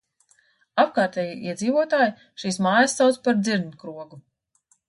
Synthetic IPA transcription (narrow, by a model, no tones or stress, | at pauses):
ap̚kaːɾt̪ɛːjiʔiɛd̪ziːvuɔt̪aːji | ʃiːsmaːjəsːawt̪spaɾd̪ziɾnkɾuɔɡu